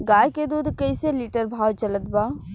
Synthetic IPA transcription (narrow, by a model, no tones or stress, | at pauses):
ɡaːjked̪uːd̪kɐiseliːʈəɾbʱaːwt͡ʃɐlət̪baː